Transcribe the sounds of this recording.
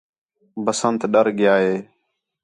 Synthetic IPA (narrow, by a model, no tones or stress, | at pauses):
bəsənt̪ɗəɾɡɪjaːɦeː